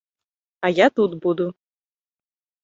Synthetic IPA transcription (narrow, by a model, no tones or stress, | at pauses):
ajat̪ut̪bud̪u